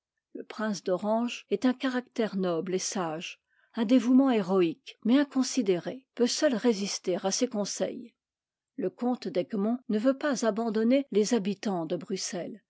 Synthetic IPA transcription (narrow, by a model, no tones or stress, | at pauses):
ləpχɛ̃sd̪ɔʁɑ̃ʒɛt̪ɛ̃kaʁakt̪ɛʁnɔblesaʒ | ɛ̃d̪evumɑ̃eʁɔikmɛɛ̃kɔ̃sid̪eʁepøsœlʁezist̪eʁasekɔ̃sɛ̰j | ləkɔ̃t̪d̪ɛɡmɔ̃nəvøpazabɑ̃d̪ɔnelezabit̪ɑ̃d̪əbʁysɛl